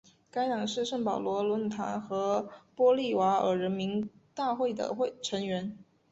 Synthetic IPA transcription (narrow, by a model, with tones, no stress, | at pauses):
ka˥ɪlɑ˨˩ŋʂɻ̩˥˧ʂɤ˥˩ŋpɑ˨˩ʊlwɔ˧˥lwə˧˥nt̪ʰa̰˧˥nxɤ˧˥pwɔ˥li˥˩wa˧˥ə̰˞˨˥ɻə˧˥nmi˧˥ŋ | t̪a˥˧xwe˥˩ɪd̪ə̰˩xwe˥˩ɪʈ͡ʂʰɤ˧˥ŋɥɛ˧˥n